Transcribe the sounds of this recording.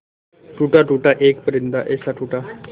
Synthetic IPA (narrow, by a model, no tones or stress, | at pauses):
ʈuːʈaʈuːʈaʔeːkpəɾɪnd̪aʔɛːsaʈuːʈa